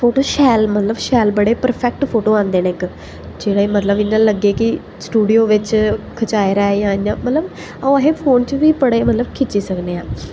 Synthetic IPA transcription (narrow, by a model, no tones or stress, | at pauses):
pʰoːʈoːʃɛːlmət̪ləbʃɛːlbəɽeːpəɾpʰɛːk̚ʈpʰoːʈoːãːnd̪eːnẽk | d͡ʒeːɽaːmət̪ləbɪnːãːləɡeːkɪ | sʈuːɖijoːʋɪt͡ʃkʰət͡ʃaːeɾɛːjãːãːmət̪ləb | əːəɦẽːpʰoːnt͡ʃʋiːpəɽeːmət̪ləbkʰɪt͡ʃːiːsəkneːãː